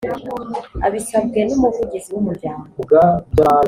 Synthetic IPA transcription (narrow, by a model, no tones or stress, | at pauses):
a̰βisabɡenumuvuɟiziwumuɾjaːmɡaɡa